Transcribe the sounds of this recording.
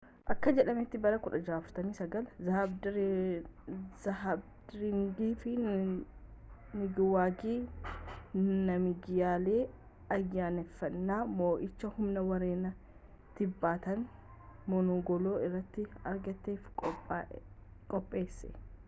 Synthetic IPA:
ʔɐkːɐd͡ʒɛᶑɐmɛt̪ːɪbɐɾɐkʊᶑɐd͡ʒaːft̪ɐmiːsɐɡɐlzɐhb | ɐbdɾɪŋɡiːfɪ | mɪɡɪwaːɡiː | nɐmɪɡɪjaːle̞ː | ɐjːaːnɛfːɐnːaːmoːʔɪt͡ʃːɐhʊmnɐwɐɾeːnɐ | t̪ɪbːaːt̪ɐn | mɔnoɡɔloːɪrːɐt̪ːɪɐɾɡɐt̪ːeːfkʼː | kʼɔpʼːe̞ːsːɛ

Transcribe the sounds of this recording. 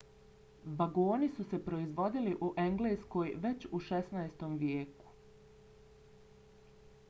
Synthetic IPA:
ʋaɡoːnisuse̞pɾo̞izʋo̞d̪iliʔuʔe̞ŋɡleːsko̞ːjʋe̞t͡ɕuʃesnajst̪omʋjeːku̥

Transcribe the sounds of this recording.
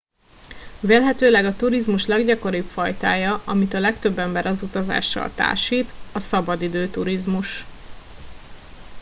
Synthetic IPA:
veːlɦɛt̪øːlɛɡɒt̪uɾizmuʃlɛɡɟɒko̞ɾipfɒjt̪aːjɒʔɒmit̪ɒlɛkt̪ø̞bːɛmbɛɾʔɒzut̪ɒza̰ːʃːɒ̰lt̪a̰ːrʃiːt̪ɒsɒbɒd̪id̪øːt̪uɾizmuʃ

